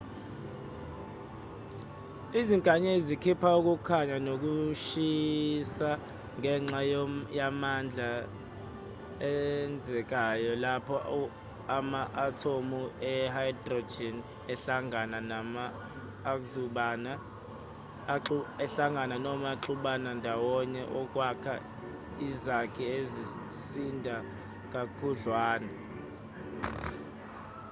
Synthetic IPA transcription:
iziŋkʼaɲezikʰipʰauk̬ukʰaɲanok̬uʃisa | ŋʱɛŋ͡ǁajjamand͡ɮʱa | ɛnd͡zʱɛk̬ajɔlapʰɔ | amaʔatʰomuɛhajdrod͡ʒɛn | ɛɬaŋananamaː | k̬ʼzuɓana | ɛɬaŋɡʱananɔmaǁuɓanandʱawɔɲɛʔɔkʼwakʰa | izakʰɛezi | sindʱa | kʼakʰuɮwaːna

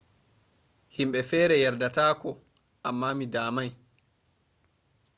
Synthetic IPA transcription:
himɓɛfɛːɾɛjaɾdataːkɔ | ʔamːaːmidaːmaj

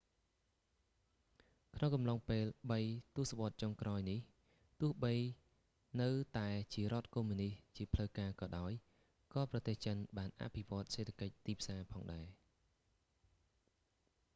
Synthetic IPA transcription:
kʰnoŋkɑmlɑŋpeːlɓəjt̪ʊəsaʋŏət̪̚t͡ɕoŋkraɔjnih | t̪ʊ̆əhɓəj | nɨwt̪aɛt͡ɕiəɾŏət̪̚kumːɨniht͡ɕiəpʰləwkaːkɑːɗaɔj | kɑːprɑt̪eːht͡ɕənɓaːnʔa̰ʔpʰiʋŏət̪̚seːt̪ʰakəc̚t̪iːpʰsaːpʰɑːŋɗaɛ

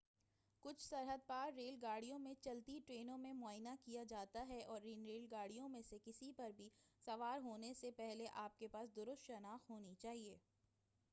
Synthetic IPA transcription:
kʊt͡ʃʰsɐɾɦəd̪̚paːɾːeːlɡaːɽijõmẽt͡ʃɐlt̪iʈɾeːnõmẽmʊaːjnakijad͡ʒaːt̪aɦɛʔɔːɾːinɾeːlɡaːɽijõmẽsekɪsipɐɾbʱisɐʋaːɾɦoːnesepɛɦleʔaːp̚kepaːsd̪ʊɾʊst̪ʃɐnaːxɦoːnit͡ʃaːɦieː

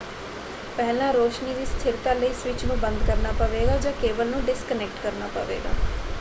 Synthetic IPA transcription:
pɛɦlãːɾoːʃniːd̪iːst̪ʰɪɾt̪ãːləiːsʋɪt͡ʃnũːbə̃nd̪kəɾnaːpəʋeːɡaːd͡ʒãːkeːʋəlnũːɖɪskənɛk̚ʈkəɾnaːpə̰ʋḛːɡa̰ː

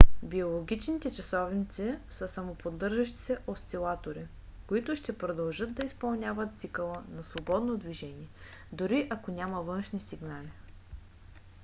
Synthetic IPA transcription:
biolˠoɡʲit͡ʃnit̪ɛt͡ʃɐsɔvnit̪sɛsəsɐmopod̪ɤɾʒɐʃt̪i̥sɛʔosʲt̪ilˠat̪oɾi | koit̪ʊʃt̪ɛpɾod̪ɐlˠʒɤt̪̚d̪ɐispɐlˠnʲavət̪t̪sikəlˠənɐsvobɔd̪nod̪viʒɛniɛ | d̪ʊɾiʔɐkonʲaməvɤnʃnisiɡnali

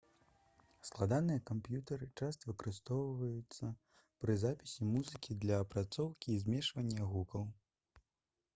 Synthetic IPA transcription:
sklˠad̪anɨjɐkampjut̪ɐɾɨt͡ʂast̪ɐvɨkɐɾɨst̪ɔwvɐjut̪sːɐ | pɾɨzapʲi̥sʲimuzɨkʲid̪lʲɐːpɾat̪sɔwkʲiːzʲmʲɛʂvɐnʲːɐɣukɐw

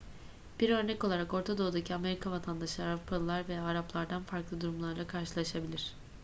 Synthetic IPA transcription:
b̥iɾø̞ɾnɛco̞lˠaɾako̞ɾt̪ʰad̪o̞ːud̪acʰiame̞ɾikʰavat̪ʰand̪aʃˠaaɾupʰalˠɯlˠaɾvejaːɾaplˠaɾd̪anfaɾklˠɯd̪uɾumlˠaɾlˠakʰaɾʃɯlˠaʃabilʲiɾ̝̥

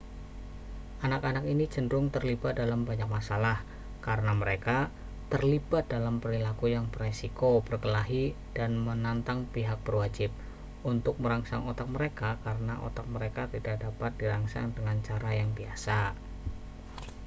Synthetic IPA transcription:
ʔanakanakinid͡ʒəndɾʊŋt̪ərlibat̪̚dalambaɲak̚masalah | kaɾənaməɾeka | t̪ərlib̥at̪̚dalampəɾilakujaŋpəresikob̥ərkəlaɦi | d̥anmənant̪aŋpiɦak̚b̥ərwad͡ʒɪp̚ | ʔunt̪ʊk̚məɾaŋsa̰ŋot̪ak̚məɾekakaɾənaʔo̰t̪ak̚məɾekat̪idaʔ̚dapat̪̚diɾaŋsa̰ŋdəŋant͡ʃaɾajaŋbiasa

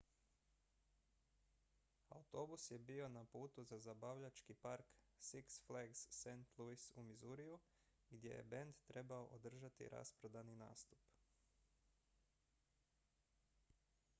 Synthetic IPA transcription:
a̰ut̪o̞busje̞bio̞napuːt̪uzazabaʋʎat͡ʃkipaɾksiksfleɡsːent̪lˠuisumizuɾiju | ɡd̪je̞̰je̞̰bend̪t̪ɾe̞baoʔod̪r̩ʒat̪ḭɾa̰spɾod̪anina̰ːst̪u̥p

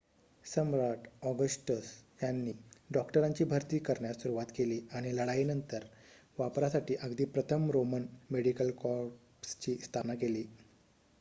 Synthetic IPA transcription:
səmɾaʈɔɡəsʈəsjanːiːɖɔkʈəɾaɲt͡ɕiːbʱəɾt̪iːkəɾɳjasuɾuʋat̪keliːaɽ̃iləɽainənt̪əɾ | ʋapɾasaʈiːʔəɡd̪iːpɾət̪ʰəmɾomənmeɽikəlkɔɾ | st͡ɕiːst̪ʰanakeliː

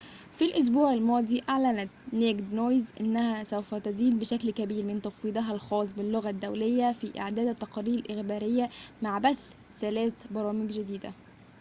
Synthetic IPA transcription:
filʔʊs̬buːʕalmɑːd̪ˤiːʔaʕlænæt̪neɡd̪nojzʔɪ̰nːæhæsæwfæt̪æziːd̪̚bɪʃæklkæbiːɾmɪnt̪ɑfiːd̪ˤɑɦælxɑːs̬ˤbɪlːoɣæd̪ːæwlejːæfiːʔɪ̰ʕd̪æːd̪æt̪ːɑqɑɾiːɾɪlʔɪxbæːɾɪjːæmaʕbæθ | θælæːθbɑɾˤɑːmɪɡd͡ʒɪd̪iːd̪æ̰

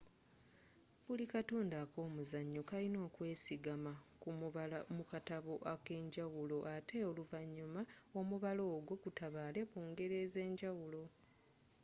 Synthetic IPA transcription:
βulikatoːndakʰo̞ːmuzaɲːokalino̞ːkwe̞ːsiɡamakumuβalamukataβo̞ʔake̞ːɲɟawulo̞ʔatʰe̞oluvaɲːumao̞muβalo̞ːɡo̞ɡutaβale̞kuːŋɡe̞ɾe̞ze̞ːɲɟawulo̞

